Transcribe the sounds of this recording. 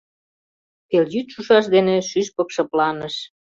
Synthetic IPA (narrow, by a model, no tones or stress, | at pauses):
t̪eljyt̪ʃuʃɑʃ̬d̪eneʃyʃpɤ̆kʃɤ̆plɑnəʃ